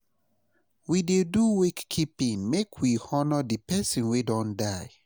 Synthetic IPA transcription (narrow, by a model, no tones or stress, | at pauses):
wideduwekːʰipĩŋmekʰwihɔnədipɛsĩnwedɔ̃ndaɪ